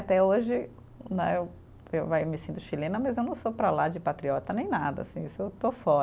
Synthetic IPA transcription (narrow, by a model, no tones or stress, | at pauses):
at̪ɛoʒɪ | nɛ̃ew | ewvamɪsĩnt̪ʊʃilẽnɐmɐzewnɐ̃w̃sopɾɐlad͡ʒɪpat̪ɾiɔt̪ɐnẽj̃nad̪ɐ̰asĩisʊewt̪ofɔɾ